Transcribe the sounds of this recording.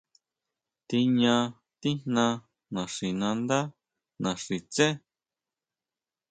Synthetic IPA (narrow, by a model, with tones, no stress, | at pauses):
t̪i˧ɲã˧ | t̪i˦n̥nã˧ | nã˨ʂi˨nã˧nd̪a˦ | nã˨ʂi˨t͡sẽ˦